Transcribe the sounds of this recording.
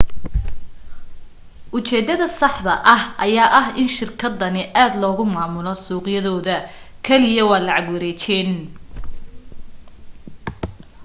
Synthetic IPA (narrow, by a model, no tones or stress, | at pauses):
ʔʊt͡ʃɛːd̪ɐðɐsɑħd̪ɐʔɐhʔɐjaːʔɐɦɪnʃɪrkʰɐd̪ːɐnɪʔaːd̪lɔːɣʊmaːmʊlɔsuːqjɐðɔːðɐ | kʰɛlɪjɐwɑːlɑʕɑɡwɐɾɛːt͡ʃɛːn